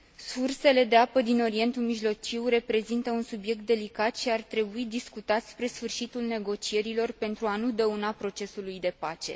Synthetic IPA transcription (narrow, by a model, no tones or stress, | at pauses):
surse̞le̞d̪e̞apəd̪ino̞ɾie̞nt̪umiʒlo̞t͡ʃiwre̞pɾe̞zint̪əunsubje̞k̚t̪̚d̪e̞likat̪ʃiart̪ɾe̞buid̪iskut̪at̪ʲspɾe̞sfɨrʃit̪ulne̞ɡo̞t͡ʃie̞ɾilo̞rpe̞nt̪ɾuanud̪əunapɾo̞t͡ʃe̞sulujd̪e̞pat͡ʃe̞̰